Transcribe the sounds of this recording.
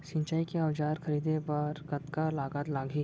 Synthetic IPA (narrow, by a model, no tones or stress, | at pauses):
ʃɪ̃ɲt͡ʃaːikeawd͡ʒaːɾxɐɾiːd̪ebaɾɡɐt̪kalaːɡat̪laːɡʱiː